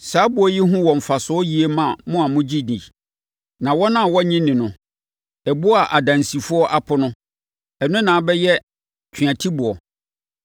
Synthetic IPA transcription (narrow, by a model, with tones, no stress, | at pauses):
saː˨˦bʊ˨˦ɔ˦ji˦ɦʊ̃˦wɔ̃˨ɱ̩˨fa˨sʊ˦ɔ˦ji˨e˦mã˨mʊ̃˦a˨mʊ̃˦d͡ʑi˦nĩ˨ | nã˨wɔ˦nã˦˨wɔ˦ɲĩ˦nɪ̃˨nʊ̃˨ | ɛ˨bʊ˦a˨ʔa˨dã˨nsi˨fʊ˦ɔ˦ʔa˦pʰʊ˨nʊ̃˦ | ɛ˨nʊ̃˦nã˨bɛ˦jɛ˦ | t͡ɕʰi˨ã˨tʰi˦bʊ˨ɔ˨